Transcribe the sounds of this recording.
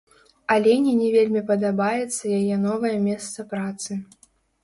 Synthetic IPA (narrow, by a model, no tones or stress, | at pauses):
alʲenʲinʲɛvʲelʲmʲipɐd̪ɐbajɛt̪sːɐjajɛnɔvɐjɐmʲɛst̪sɐpɾat̪sɨ